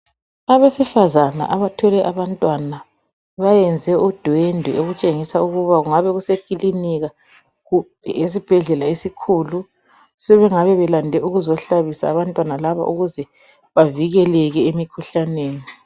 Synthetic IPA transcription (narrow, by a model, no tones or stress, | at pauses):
aβesifazana̰ʔaβatʰɔlɛʔaβantʼwana | βajɛnd͡zʱɛʔud̥ʱwendʱɛoɣut͡ʃʼeŋisauɣuβaɣuŋaβɛɣusekʼiliniɣa | ɣub̥̚ʱɛ̰es̬ib̥ʱɛɮɛlaesikʰulu | sɛβɛŋaβɛβɛlandʱɛʔuɣuzɔɬaβisaːβantʼwanalaβa̰ʔuɣuzɛ | βaviɣɛlɛɣɛemikʰuɬaneːni